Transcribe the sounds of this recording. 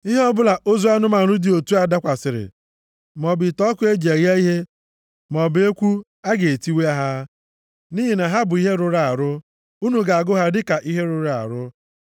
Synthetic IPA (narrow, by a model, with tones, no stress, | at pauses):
i˦ɦe˦ɔ˦bʊ˦la˨ʔo˦zu˦a˦nʊ˦ma˨ɾu˦dɪ˨o˨tu˦a˨da˦kʷa˨sɪ˨ɾɪ̰˨ | mɔ˨bɪ˨tɔ˦kʊ˦e˦d͡ʒe˨ɣja˦i˦ɦe˦ | mɔ˨be˦kʷu˦ | a˦ɡe˨e˨ti˦we˦a˦ɦa˦ | ni˦ɦi˨na˨ɦa˦bʊ˨i˦ɦe˦ɾʊ˨ɾa˨a˨ɾʊ˦ | u˦nu˨ɡa˨a˨ɡʊ˦ɦa˦dɪ˦ka˨ʔi˦ɦe˦ɾʊ˨ɾa˦˨a̰˨ɾʊ˦